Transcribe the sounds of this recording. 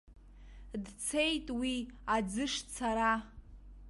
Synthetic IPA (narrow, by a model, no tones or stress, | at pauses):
dt͡sʰe̞jtʼwiad͡zɨʂt͡sʰaɾa